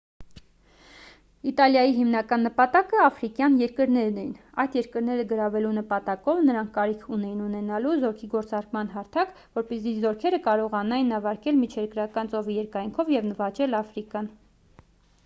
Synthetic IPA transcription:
it̪ɑljɑjiɦimnɑkɑnːəpɑt̪ɑkəɑfɾikjɑnjɛɾkəɾnɛɾnɛjin | ɑjd̪jɛɾkəɾnɛɾəɡəɾɑvɛlunəpɑt̪ɑkɔvnəɾɑŋkʰːɑɾikʰunɛjinunɛnɑluzɔɾkʰiɡɔɾt͡sɑɾkmɑnɦɑɾt̪ʰɑk | vɔɾpɛzizɔɾkʰɛɾəkɑɾɔʁɑnɑjinɑvɑɾkɛlmit͡ʃʰɛɾkɾɑkɑnt͡sɔvijɛɾkɑjŋkʰɔvjɛvnəvɑt͡ʃɛlɑfɾikɑn

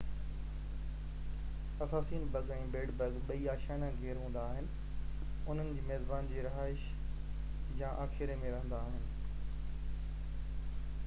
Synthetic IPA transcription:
ɐsaːsiːnbɐɡɛ̃ːbeːɽbɐɡɓɐiaːʃaːnãɡʱeːɾɦũːn̆d̪aːɦɪnɪ̆ | ʊn̤ənɪ̆d͡ʑeːmɛːzbaːnd͡ʑeːɾɪɦaːɪʃ | jãːʔaːxɪɾemẽɾɐɦə̃nd̪aːɦɪnɪ̆

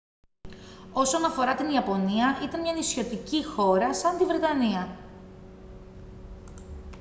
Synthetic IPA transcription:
o̞sonɐfo̞ɾɐt̪iniɐpo̞niɐʔit̪ɐnmɲɐnisço̞t̪icixo̞ɾɐsɐnd̪ivɾe̞t̪ɐniɐ

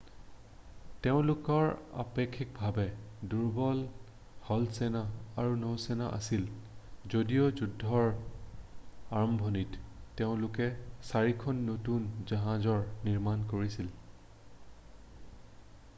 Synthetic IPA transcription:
teʊ̃lʊkɔɹa̰pekʰːik̚bʱabɛduɹbɔl | hɔlsɛnaaɹunowsɛna̰ʔa̰silzodijozudʱːɔɹ | aɹɔmbʱɔnitːeʊ̃lʊkɛsaɹikʰɔnːotunzaɦãzɔɹniɹmankoɹisil

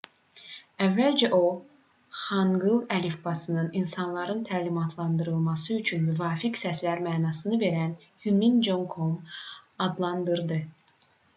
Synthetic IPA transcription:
ævːælʲd͡ʒɛʔo | χɑŋɡɯlˠælifbɑsɯnɯninsɑnlˠɑɾɯnt̪ʰæːlimɑt̪ʰlˠɑnd̪ɯɾɯlˠmɑsɯyt͡ʃʰynmyvɑːficsæslæɾmæːnɑːsɯnɯve̞ɾæn | hymind͡ʒoŋkʰomɑd̪lˠɑnd̪ɯɾd̪ɯ

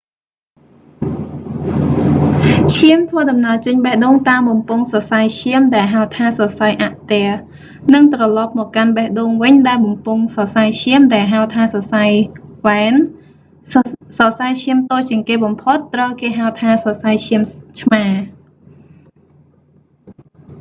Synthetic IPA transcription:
t͡ɕʰiəmt̪ʰʋəəɗɑmnaəlt͡ɕəɲɓəhɗoːŋt̪aːmɓɑmpʊŋsɑsajt͡ɕʰiəmɗaɛlɦaəwt̪ʰaːsɑsajʔaʔt̪ɛə | nɨŋt̪rɑlɑp̚mɔːkkanɓahɗoːŋʋɨɲɗaɛlɓɑmpuŋsɑsajt͡ɕʰiəmɗaɛlɦaət̪ʰaːsɑsajʋaɛn | sɑsajt͡ɕʰiəmt̪oːt͡ɕiəŋkeːɓɑmpʰot̪ːrəwkeːɦaət̪ʰaːsɑsajt͡ɕʰiəmt͡ɕʰmaː

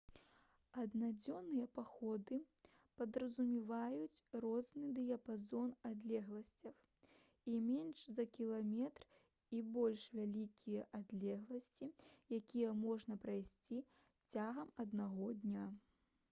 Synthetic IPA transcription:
ɐd̪nad͡zʲɔnːɨjɐpaxɔd̪ɨ | pɐd̪ɾɐzumʲivajut͡sʲrɔznɨd̪ɨjɐpazɔnad̪lʲɛɣlˠɐsʲt͡sʲɐw | imʲɛnʂzɐkʲilˠamʲɛt̪r | ibɔlʲʂvʲalʲikʲʰijɐʔad̪lʲɛɣlˠɐsʲt͡sʲijakʲijɛmɔʐnɐpɾajsʲt͡sʲi | t͡sʲaɣɐmɐd̪naɣɔd̪nʲa

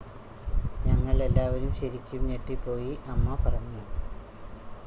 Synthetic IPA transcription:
ɲɐŋːɐɭe̞lːaːʋɐɾumɕɐɾikʲːumɲeʈːipːo̞ːjiʔɐmːɐpɐrɐɲːu

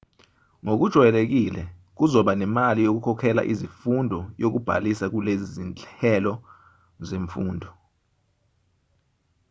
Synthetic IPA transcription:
ŋok̬ud̥ʒ̥ʱwjɛlek̬ilɛk̬uzɔɓanɛmalijok̬ukʰɔkʰɛla̰ʔizifundʱɔjok̬ub̥ʱa̰lisak̬ulezizint͡ɬɛlɔ | zeɱfuːndʱɔ

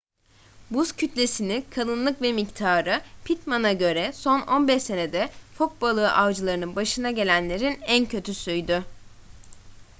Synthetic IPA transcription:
buscʰyt̪lʲe̞sinikʰalˠɯnlˠɯkvɛmict̪ʰaːɾɯpʰit̪manaɟø̞ɾɛso̞no̞nbɛʃse̞ne̞d̪ɛfok̪̚balˠɯːʔavd͡ʒɯlˠaɾɯnɯnbaʃɯnaɟe̞lʲænlʲe̞ɾinæncʰø̞t̪ʰysyjd̪y

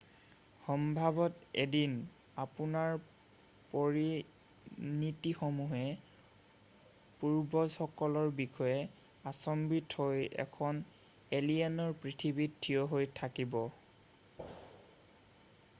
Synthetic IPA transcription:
xɔmbʱabɔtedin | apunaɹ | poɹi | nitixomuɦɛ | puɹbɔzɔkɔlɔɹbixɔjɛ | asɔmbithojɛ̰kʰɔn | elianɔɹpɹitʰibittʰːijɔɦojtʰakibɔ

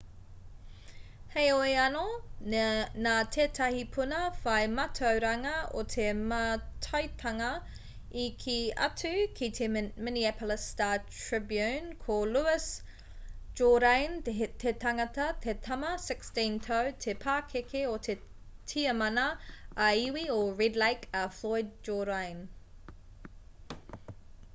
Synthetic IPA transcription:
hejoeɐno | naːt̪ʰeːtʰɐhipʰunɐfɐjmɐtʰɐwɾɐŋɐot̪ʰemɐtʰɐɥt̪ʰɐŋɐ | ikʰiɐ̰tʰʉkʰitʰemɪniɛpələstaːtɹɪbjʉnkʰoluɪs | d͡ʒoɾɐjntt̪ʰet̪ɐŋɐt̪ɐt̪ʰet̪ʰɐmɐsɪkstĩnt̪ʰɐwt̪ʰepʰaːkʰekʰeot̪ʰe | tʰiɐmɐnɐɐiwioɹɛdlejkɐflojd̚d͡ʒoɾɐjn

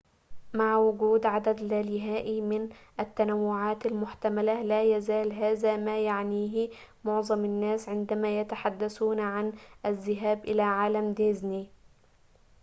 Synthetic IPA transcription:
maʕwʊɡuːd̪ʕad̪ad̪laːlɪɦaːʔimɪnʔæt̪ːanawːʊʕaːt̪almʊħt̪amalalæːjæzaːlɦaːzaːmaːjaʕniːɦɪ | moʕzˤɑmɪnːæːsʕɪnd̪æmaːjat̪aħad̪ːæsuːnʕanʔazːɪɦaːbʔɪlaːʕaːlamd̪ezni

